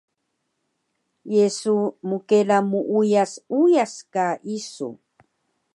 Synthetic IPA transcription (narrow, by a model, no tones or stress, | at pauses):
jesumukelamuʔujasujaskaʔisṵ